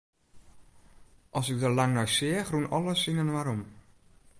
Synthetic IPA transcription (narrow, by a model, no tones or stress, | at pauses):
ʔɔsɪk̚dəlaŋnɔjsɪəxrunɔləsinənʋaɾɔm